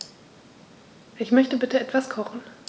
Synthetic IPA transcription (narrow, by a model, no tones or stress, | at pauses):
ʔɪçmœçtəbɪtəɛtv̥askʰɔχn̩